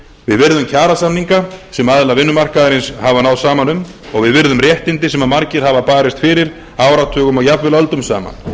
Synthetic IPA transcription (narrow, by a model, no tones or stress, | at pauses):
vɪðvɪɾðʏmcʰaːɾasamniŋkasɛmaðlavɪnːʏmar̥kaðaɾɪnshavanawsaːmanʏm | ɔɣvɪðvɪɾðʏmrjɛht̪ɪnt̪ɪsɛmaðmaɾcɪɾ̥havapaːɾɪst̪fɪːɾɪɾ | aːwɾat̪ʰœːɣʏmɔɣjapvɪlœlt̪ʏmsa̰ːma̰n